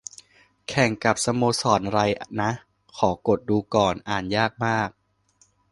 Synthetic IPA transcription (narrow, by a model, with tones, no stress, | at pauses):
kʰɛ˨˩ŋka˨˩p̚sa˧moː˧sɔː˨˩nɾa˧jna˦˥ʔ | kʰɔː˩˦ko˨˩t̪̚duː˧kɔː˨˩nʔaː˨˩njaː˥˩k̚maː˥˩k̚